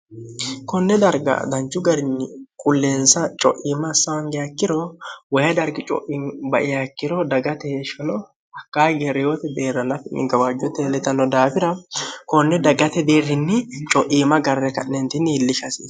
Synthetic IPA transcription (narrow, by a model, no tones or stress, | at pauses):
kɔnːɛd̪ɐɾɡɐ̰d̪ɐnt͡ʃːʊɡɐɾɪnːɪkʼʊlːeːnsɐt͡ʃʼɔʔiːmɐsːɐwɐŋɡɛjɐkːɪɾɔwɐjɐd̪ɐɾɡɪt͡ʃʼɔ̰ʔɪnbɐʔɪjakːɪɾɔd̪ɐɡɐt̪ɛʃɐnɔ | hɐkːaːjɡɛɾɛjoːt̪ɛd̪e̞ːɾːɐnɐfɛnːɪ̰ɡɐwaːd͡ʒːɔt̪ːɛlɛt̪ːɐnːɔd̪aːfɪɾɐkɔnːɛd̪ɐɡɐt̪ɛd̪e̞ːrːɪnːɪt͡ʃʼɔʔiːmɐɡɐrːɛkɐʔnːɛnt̪ɪnːɪːlːɪʃɐsḭːs